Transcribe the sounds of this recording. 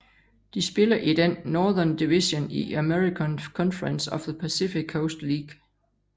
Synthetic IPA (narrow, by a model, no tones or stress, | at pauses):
d̥isb̥e̝lɐʔid̥enːɒːðˠɐnd̥iʋisoniæmeʁikʰənkʰɒnfəʁənsɒfðəpʰæsifiɡʰoʊsd̥liːɡ̥